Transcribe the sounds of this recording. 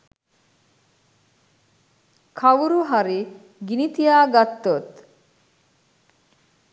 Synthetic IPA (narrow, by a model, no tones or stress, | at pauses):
kʰaʋuɾuɦaɾi | ɡinit̪ijaːɡat̪ːot̪